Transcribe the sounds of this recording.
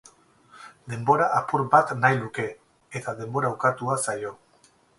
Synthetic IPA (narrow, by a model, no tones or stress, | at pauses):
d̪e̞mbo̞ɾaʔapuɾbat̪najluke̞ | et̪aðe̞mbo̞ɾawkat̪uasajo̞